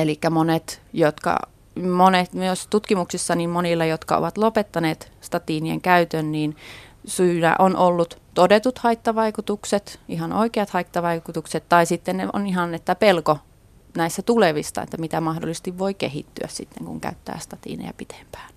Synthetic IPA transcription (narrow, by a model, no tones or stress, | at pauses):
elikːæmonet̪jot̪kɑ̰ | monet̪myøst̪ut̪kimuksisːɑniːmmonilːɑjot̪kɑ̰o̰ʋɑt̪lopet̪ːɑneːt̪ | st̪ɑt̪iːniḛŋkæyt̪ønniːnsyːnæ̰ʔonʔolːut̪t̪odet̪ut̪hɑit̪ːɑʋɑikut̪ukset̪ʔihɑnʔo̰ikeɑt̪hɑit̪ːɑʋɑikut̪ukset̪t̪ɑisit̪ːenneo̰nihɑnet̪ːæpelko | næisːæt̪uleʋisːɑ̰ḛt̪ːæmit̪æmɑhdo̰lːˑise̥st̪iʋʋoikḛhḭt̪ːyæ̰ssit̪ːeŋkṵŋkæ̰yt̪ːæ̰ːst̪ɑt̪ḭːnḛjæ̰pit̪ʰe̥mpæ̥ːn